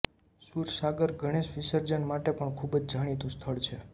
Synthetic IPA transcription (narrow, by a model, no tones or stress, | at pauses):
suɾsaɡəɾɡʱəɽ̃eʃʋisəɾd͡ʒənmaʈepəɳkʰubd͡ʒd͡ʒʱaɽ̃it̪ũst̪ʰəɭt͡ʃʰe